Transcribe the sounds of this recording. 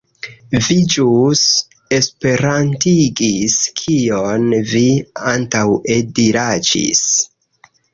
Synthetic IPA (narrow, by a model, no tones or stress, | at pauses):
vid͡ʒus | e̞spe̞ɾantiɡiskʰio̞nviantawediɾad͡ʒḭs